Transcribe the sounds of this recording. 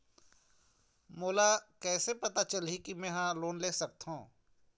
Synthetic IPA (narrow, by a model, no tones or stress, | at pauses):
moːlakɛːsepɐt̪at͡ʃəlɦikimɛ̃ːɦãloːnleːsɐk̚t̪ɦũː